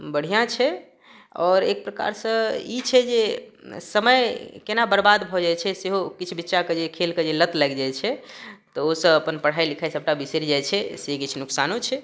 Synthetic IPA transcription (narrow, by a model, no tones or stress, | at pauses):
bəɽ̤ijãt͡ʃʰɛ | ɔːɾek̚pɾəka̰ɾsə̃it͡ʃʰɛd͡ʒesəməjkenabəɾbad̪bʱɔd͡ʒajt͡ʃʰɛseɦokit͡ʃʰbitːʃaked͡ʒekʰelked͡ʒelət̪ləɡd͡ʒajt͡ʃʰɛt̪ɔosəbəpənpəɽ̤ajlikʰajsəb̚ʈabiseɾid͡ʒajt͡ʃʰɛsekit͡ʃʰnuksanot͡ʃʰɛ